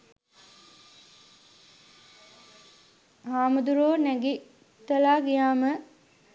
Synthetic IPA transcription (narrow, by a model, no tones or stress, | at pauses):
aːməd̪uɾoːnæɡi | t̪ːəlaːɡijaːmə